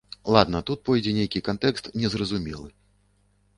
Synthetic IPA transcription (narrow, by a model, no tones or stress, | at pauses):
lˠad̪nɐt̪ut̪̚pɔjd͡zʲɛnʲejkʲikant̪ɛkst̪nʲɛzrɐzumʲɛlˠɨ